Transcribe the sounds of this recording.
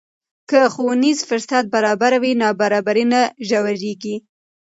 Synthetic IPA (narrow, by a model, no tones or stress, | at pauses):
kəxowunizfʊɾsat̪̚baɾɑbaɾawinɑbaɾɑbaɾinaʒawaʒeɡi